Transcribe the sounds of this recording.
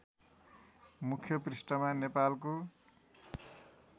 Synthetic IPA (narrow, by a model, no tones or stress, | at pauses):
mukʰːjʌprisʈʌmanepalko